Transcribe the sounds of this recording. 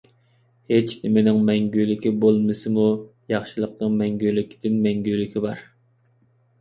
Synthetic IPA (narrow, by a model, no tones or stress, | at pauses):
het͡ʃʰnɪmɪnɪŋmɛŋɡʲølɪkʲibolˠmɨsɨmujɑχʃɨlˠəq̚nəmɛŋɡʲølɪkʲd̪̥ɪnmɛŋɡʲølɪkʲʰibɑɾ